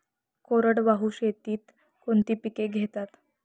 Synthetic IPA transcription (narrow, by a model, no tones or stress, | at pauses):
koɾəɽʋaɦuɕet̪iːt̪ | kont̪iːpikeɡʱet̪at̪